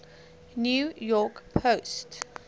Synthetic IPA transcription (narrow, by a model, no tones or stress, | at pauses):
njuːjɔkpʰoʊst